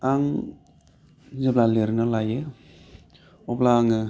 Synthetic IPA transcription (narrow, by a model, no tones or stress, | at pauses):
aŋ | zeblaleɾnɯlaje | ɔplaːŋɯ